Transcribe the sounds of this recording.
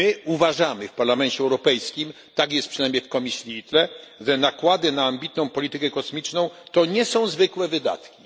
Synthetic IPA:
ɘuvaʐamɘfpaɾlamɛnt͡ɕɛɛwɾɔpɛjskʲim | t̪akjɛst̪pʂɘnajmʲjejfkɔmʲisʲliit̪lɛʐɛnakwad̪ɘnaːmbʲit̪nɔ̃w̃pɔlʲit̪ɘkɛkɔsmʲit͡ʂnɔ̃w̃t̪ɔɲɛsɔ̃w̃zvɘkwɛvɘd̪a̰t̪kʲi

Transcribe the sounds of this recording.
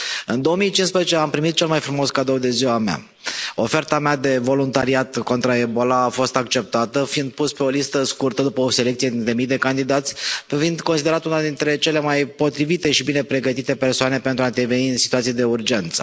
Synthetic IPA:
ɨnd̪o̞omijt͡ʃinspɾezet͡ʃeampɾimit̪̚t͡ʃe̞lmajfɾumoskad̪əwd̪e̞ziwamea̰ | o̞fe̞rt̪amad̪e̞vo̞lunt̪aɾiat̪ko̞nt̪ɾae̞bolaːfo̞st̪ak̚t͡ʃe̞p̚t̪at̪əfind̪̚puspe̞o̞list̪əskurt̪əd̪upəoselekt̪sijed̪int̪ɾe̞mijd̪e̞kand̪id̪at̪sʲfind̪konsid̪eɾat̪unad̪int̪ɾe̞t͡ʃe̞le̞majpo̞t̪ɾivit̪e̞ʃibine̞pɾe̞ɡət̪it̪e̞pe̞rsoane̞pe̞nt̪ɾaɨnt̪eveniɨnsit̪uat̪sijed̪e̞urd͡ʒe̞nt̪sə̥̰

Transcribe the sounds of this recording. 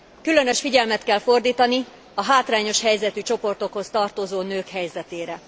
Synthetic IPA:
kylø̞nø̞ʃfiɟɛlmɛt̪kɛlfo̞rd̪iːt̪ɒni | ɒɦaːt̪raːɲo̞ʃhɛjzɛt̪yt͡ʃo̞po̞rt̪o̞kho̞st̪ɒrt̪ozoːnøːkhɛjzɛt̪eːɾɛ

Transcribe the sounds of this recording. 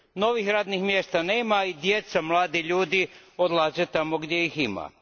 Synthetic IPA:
no̞ʋixɾaːd̪nixmjest̪aneːmaid̪jet̪samlˠaːd̪iʎuːd̪iod̪lˠaːzet̪amoɡd̪je̞jixima̰

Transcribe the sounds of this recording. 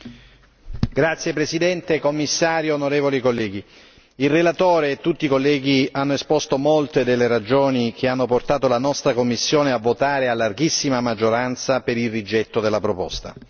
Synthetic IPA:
ɡ̥ɾat̪sjepɾesid̪ɛnt̪ekomːisːaːɾjoːnoɾeːvolikolːɛːɡi | ilrelat̪oːɾeːt̪ːut̪ːikolːɛːɡianːoespɔst̪omolt̪ed̪elːeɾad͡ʒoːnik̟eanːoport̪aːt̪olanɔst̪ɾakomːisːjoːneavːot̪aːɾealːarɡisːimamad͡ʒːoɾant̪sapeɾilrid͡ʒɛt̪ːod̪elːapɾopɔ̰st̪a̰

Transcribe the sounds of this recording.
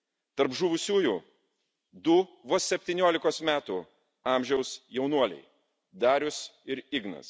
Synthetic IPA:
t̪ɐɾpʒʊʋʊsʲuːjuː | d̪ʊʋosʲɛpʲt̪ʲiːnʲuɔlʲɪkoːsmʲæːt̪uː | ɑˑmʲʒʲɛʊsjɛʊnuɔlʲɛ̰ɪ | d̪ɑːɾʲʊsɪɾɪɡnɐ̰s

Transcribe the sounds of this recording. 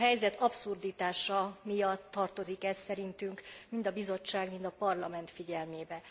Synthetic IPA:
ɦɛjzɛt̪ʰɒpsurd̪iːt̪aːʃɒmijɒt̪ːɒrt̪o̞zikɛsːɛɾint̪yŋkmind̪ɒbizo̞t͡ʃːaːɡmind̪ɒpɒrlɒmɛnt̪fiɟɛlmeːbɛ

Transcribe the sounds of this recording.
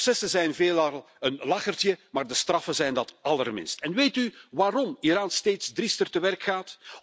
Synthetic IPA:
sɛsəzɛjnveːlɑlˠ | ənlɑxərtjəmaːrdəstrɑfəzɛjndɑtɑlərmɪ̰nstɛnʋeːjtyʋaːɾɔmiɾaːnsteːtsdristərtəʋɛrkxaːt

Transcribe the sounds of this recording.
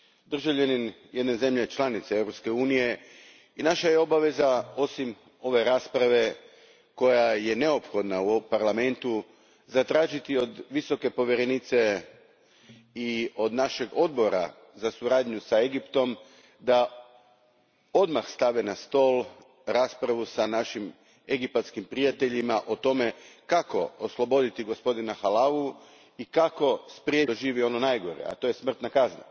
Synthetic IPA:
d̪r̩ʒaʋʎenin | je̞d̪ne̞ze̞mʎe̞t͡ʃlanit̪seewɾopske̞uːnije̞ | inaʃaje̞o̞baʋe̞zao̞sim | o̞ʋe̞ɾaːspɾaʋe̞ | ko̞jaje̞ne̞o̞pxo̞d̪naupaɾlame̞nt̪u | zat̪ɾaːʒit̪io̞d̪ʋiso̞ke̞po̞ʋjeɾenit̪se̞ | io̞d̪naʃe̞ɡo̞d̪̚bo̞ɾa̰ | zasuɾaːd̪ɲusae̞ɡipt̪o̞m | d̪a | o̞d̪maxst̪aʋenast̪o̞ːlˠ | ɾaːspɾaʋusanaʃim | e̞ɡipat̪skimpɾijat̪e̞ʎimaʔot̪o̞me̞kako̞oslˠo̞bo̞d̪it̪iɡo̞spo̞d̪inaxalaʋu | ikako̞spɾijeoʒiːʋio̞nonajɡo̞ɾje̞̰a̰t̪o̞je̞smr̩t̪nakazna̰

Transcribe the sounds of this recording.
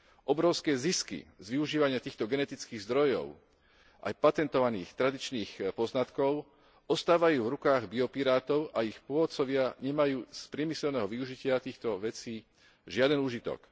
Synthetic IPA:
ʔɔbɾɔʊskɛːziskḭzʋiuʒiːʋaɲɪat̪iːxt̪ɔɡɛnɛt̪it͡skiːɣzd̪ɾɔjɔ̰ʊ | ʔa̰jpat̪ɛnt̪ɔʋanḭːxt̪ɾad̪it͡ʃniːxpɔznat̪kɔʊ | ʔɔst̪aːʋajuːvɾukaːɣbiɔpiɾaːt̪ɔʊʔaixpʊɔʋɔt̪t͡sɔʋɪaɲɛmajuːspɾɪɛmisɛlnɛːɦɔʋiuʒicɪat̪iːxt̪ɔʋɛt͡siː | ʒɪad̪ɛnuːʒit̪ɔ̰k

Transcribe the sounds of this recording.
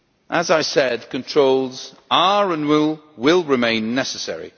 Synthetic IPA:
ʔəzaɪsɛd̚kʰə̃ntʰɹ̥oʊlˠz̥ | aɹə̃nwɪlˠwɪlˠɹɪmẽɪ̃nːɛsəsɛ̰ɹḭ

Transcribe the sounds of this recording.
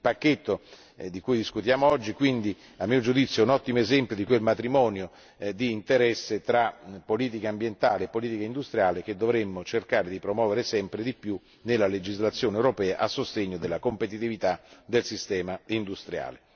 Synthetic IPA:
ipakːet̪ːo | d̪ikujd̪iskut̪jaːmoɔd͡ʒːikwind̪i | amːiːod͡ʒud̪it̪sːjoɛunɔt̪ːimoezɛmpjod̪ikwelmat̪ɾimɔːnjo | d̪iːnt̪eɾɛsːet̪ɾapːoliːt̪̬ikambjent̪aːleːpːoliːt̪ikaind̪ust̪ɾijaːlek̟ed̪ːovɾemːot͡ʃerkaːɾed̪ipɾomwɔːveɾesɛmpɾed̪ipju | nelːaled͡ʒizlat̪sːjoːneewɾopɛːaʔasːost̪eɲːod̪elːakompet̪it̪ivit̪ad̪elsist̪ɛːmaind̪ust̪ɾja̰ːle

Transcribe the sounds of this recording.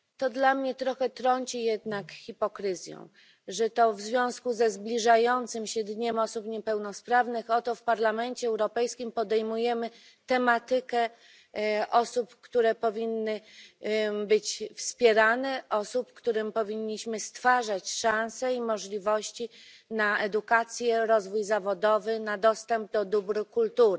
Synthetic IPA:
t̪ɔd̪lamɲɛt̪ɾɔxɛt̪ɾɔɲt͡ɕijɛd̪nakxʲipɔkɾɘzʲjɔ̰̃w̃ | ʐɛt̪ɔvzvʲjɔ̃w̃skuzɛzblʲiʐajɔnt̪sɘmɕɛd̪ɲɛmɔsupɲɛpɛwnɔspɾavnɘxɔt̪ɔfpaɾlamɛnt͡ɕɛːwɾɔpɛjskʲimpɔd̪ɛjmujɛmɘ | t̪ɛmat̪ɘkɛ | ʔɔsupkt̪uɾɛpɔvʲinːɘ | bɘt͡ɕfspʲjɛɾanɛʔɔsupkt̪uɾɘmpɔvʲiɲːiɕmɘst̪faʐat͡ɕʂãñsɛimɔʐlʲivɔɕt͡ɕi | naɛd̪ukat̪sʲjɛɾɔzvujzavɔd̪ɔvɘnad̪ɔst̪ɛmb̚d̪ɔd̪ubɾkult̪uɾ

